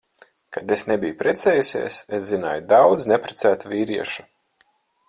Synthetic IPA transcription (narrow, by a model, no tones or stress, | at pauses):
kad̪esnɛbijupɾɛt̪sɛːjusʲḭɛses̬zina̰ːjud̪awd̪znɛpɾet̪sæːt̪uvʲiːɾiɛʃu̥